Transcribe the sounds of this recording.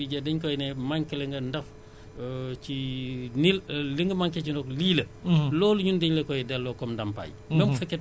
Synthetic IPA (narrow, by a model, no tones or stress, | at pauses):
iɟɐdɛɲkɔjnɛmaŋkɛlɛŋɡɐndɐf | t͡ʃinilliŋɡəmaŋkɛcinɔkliːlɐ | lɔːluɲundɛɲlɛkɔjɛdɛlːɔkɔmdɐmpa̰j | bɛmufɛkːɛ